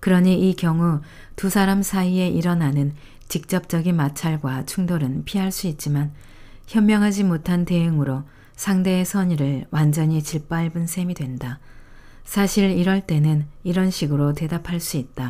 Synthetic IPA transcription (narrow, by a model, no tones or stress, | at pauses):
kɯɾʌɲiʔikjʌŋu | tusʰaɾamsʰaie̞ʔiɾʌnanɯn | t͡ɕik̚t͡ɕ͈ʌp̚t͡ɕ͈ʌɡinmat͡ɕʰaɭɡwat͡ɕʰuŋdoɾɯnpʰiɦaɭs͈uit̚t͡ɕ͈iman | çjʌmmjʌŋɦad͡ʑimotʰante̞jɯŋɯɾo | sʰaŋde̞sʰʌɲiɾɯɭwand͡ʑʌɲit͡ɕiɭp͈aɭbɯnsʰe̞midwe̞nda | sʰaɕʰiɾiɾʌɭt͈e̞nɯniɾʌnɕʰiɡɯɾote̞dapʰaɭs͈uit̚t͈a